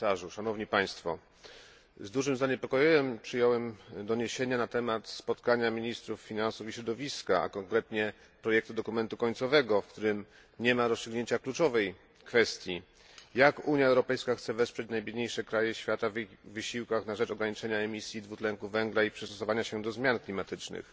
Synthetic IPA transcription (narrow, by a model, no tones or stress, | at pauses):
aʐuʂanɔvɲipaj̃st̪fɔ̰ | zd̪uʐɘmzaɲɛpɔkɔjiwɛmpʂɘjɔwɛmd̪ɔɲeɕeɲanat̪ɛmat̪spɔt̪kaɲamʲiɲist̪ɾufːʲinansufiɕɾɔd̪ɔvʲiskaa̰kɔŋkɾɛt̪ɲɛ | pɾɔjɛk̚t̪ud̪ɔkumɛnt̪ukɔɲt̪sɔvɛɡɔfkt̪uɾɘm | ɲɛmaɾɔstʂɘɡɲeɲt͡ɕaklut͡ʂɔvɛj | kfɛst̪ʲji | jakuɲjaɛwɾɔpɛjskaxt̪sɛvɛspʂɛt͡ɕnajbʲjed̪ɲejʂɛkɾajɛɕfʲjat̪avivɘɕiwkaxnaʐɛt͡ʂɔɡɾaɲit͡ʂɛɲaɛmʲisʲjid̪vut̪lɛŋkuvɛŋɡlaipʂɨst̪ɔsɔvaɲaɕɛd̪ɔzmʲjanklʲimat̪ɘt͡ʂnɘ̰x